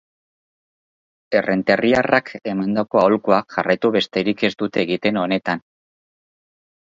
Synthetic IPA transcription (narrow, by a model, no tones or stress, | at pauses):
e̞re̞nt̪e̞riarakʰe̞mand̪ako̞aolkuakʝarajt̪uβe̞st̪e̞ɾike̞sd̪ut̪e̞ːɣit̪e̞no̞ne̞t̪an